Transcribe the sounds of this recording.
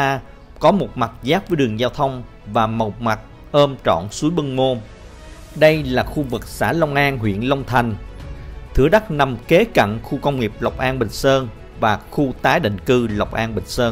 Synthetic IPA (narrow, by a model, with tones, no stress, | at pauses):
kɔ˨˦mo˨˩t̚ma˨˩t̚zaː˦˥p̚vəː˨˦jɗɨ˨˩əŋzaː˧wt̪ʰə˧wŋ͡m | vaː˨˩mə˨˩wk͡p̚ma˨˩t̚ | ʔəː˧mt͡ɕɔ̰˧˨nsu˨˦jɓɨ˧ŋmo˧ | ɗə˧jlaː˨˩xu˧vɨ˨˩k̚sa̰ː˧˥lə˧wŋ͡mʔaː˧nɦwḭ˧˨ənlə˧wŋ͡mt̪ʰa˨˩jŋ̟ | t̪ʰɨ̰˧˩əɗa˦˥t̚na˨˩mke˨˦ka̰˧˨ŋxu˧kə˧wŋ͡mŋi˨˩əp̚la˨˩wk͡p̚ʔaː˧nɓï˨˩ŋ̟səː˧n | vaː˨˩xu˧t̪aː˨˦jɗḭ˧˨ŋ̟kɨ˧la˨˩wk͡p̚ʔaː˧nɓï˨˩ŋ̟səː˧n